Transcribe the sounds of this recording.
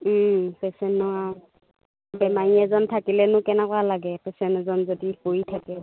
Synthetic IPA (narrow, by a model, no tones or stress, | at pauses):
m̩pɛsɛnːɔa | bɛmajiɛzɔntʰakilɛnʊkɛnɛkwalaɡɛpɛsɛnɛzɔnzodihojtʰakɛ